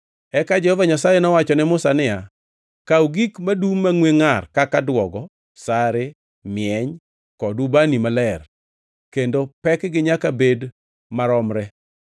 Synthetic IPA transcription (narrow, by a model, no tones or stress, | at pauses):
ɛkad͡ʒɛhɔvaɲasajɛnɔwat͡ʃɔnɛmʊsanɪja | kawɡikmadumːaŋweŋarkakadwɔɡɔ | saɾɪ | mjɛɲ | kɔdubanimalɛr | kendopɛkɡɪɲakabed | maɾɔmɾɛ